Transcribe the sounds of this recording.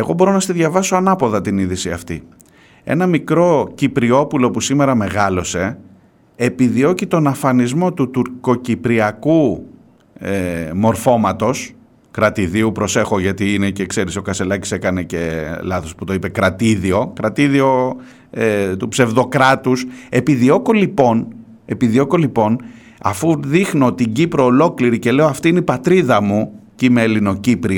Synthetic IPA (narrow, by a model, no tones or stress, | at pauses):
e̞ɣo̞bo̞ɾo̞nɐst̪iðʝɐvɐsoɐnɐpo̞ðɐt̪iniðisiɐft̪i | e̞̰nɐmikɾo̞cipɾio̞pulo̞pusime̞ɾɐme̞ɣɐlo̞se̞ | epiðio̞cit̪o̞nɐfɐnizmo̞t̪ut̪uɾko̞cipɾiɐku | emo̞ɾfo̞mɐt̪o̞s | kɾɐt̪iðiupɾo̞se̞xo̞ʝɐt̪iinece̞kse̞ɾiso̞kɐse̞lɐci̥sekɐne̞ce̞lɐθosput̪o̞ipe̞kɾɐt̪iðio̞kɾɐt̪iðio̞ | et̪upse̞vðo̞kɾɐt̪use̞piðio̞kolipo̞n | e̞piðio̞kolipo̞n | ɐ̰fuðixnot̪iɟipɾo̞ːlo̞kliɾice̞le̞o̞ɐft̪iineipɐt̪ɾiðɐmucimeːlino̞cipɾi